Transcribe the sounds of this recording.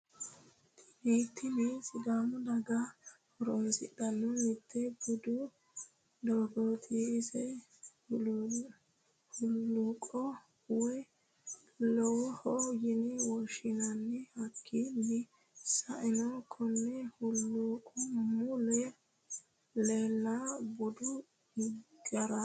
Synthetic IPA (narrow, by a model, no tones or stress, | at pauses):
t̪ | iːt̪ʰːɪmisɪd̪aːmʊd̪ɐɡahɔɾɔnsɪ̰ɗɐnːɔmɪt̪ːɛbʊd̪ʊ | d̪oːɡɔt̪ʰiɪzɛ | hʊlːuːkʼɔ | wɛ | lɔwɔhɔjɪnɪwɔʃɪnɐnːɛhɐkʰːidɪ | sɐʔɪnɔkʰɔnːɛhʊlːukʼɔmʊlɛ | leːlːabʊd̪ʊ | ɡɐɾɐ